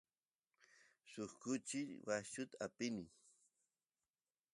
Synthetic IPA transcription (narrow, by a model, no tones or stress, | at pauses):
sʊχkʊt͡ʃɪwat͡ʃʊt̪aapɪnɪ